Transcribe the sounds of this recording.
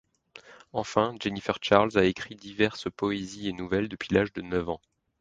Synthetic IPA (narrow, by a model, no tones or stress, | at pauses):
ɑ̃fɛ̃d͡ʒenifɛʁʃaʁlzaekχid̪ivɛʁspɔezienuvɛld̪əpɥilaʒd̪ənœvɑ̃